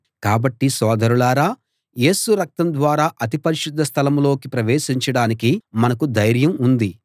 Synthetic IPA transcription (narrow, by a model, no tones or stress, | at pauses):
kaːbɐʈːisɔːd̪ɐɾulaːɾaː | je̞ːsuɾɐk̚t̪ɐmd̪ʋaːɾaːʔɐt̪̬ipɐɾiʃud̪ʱːɐst̪ʰɐlɐmlo̞ːkipɾɐʋeːʃiɲt͡ʃɐɽaːnikimɐnɐkud̪ɐjɾjɐmund̪i